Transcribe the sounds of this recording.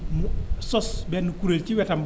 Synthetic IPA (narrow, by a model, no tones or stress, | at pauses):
musɔsbɛnukuɾelt͡ʃiwɛtɐmb